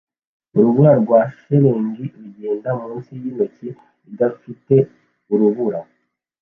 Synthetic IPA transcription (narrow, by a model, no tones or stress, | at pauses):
uɾuβuɾaɾɡwaːʃeɾeːŋɡiɾuɟeːndamuːnsijinici | idafite̞ | uɾuβuɾa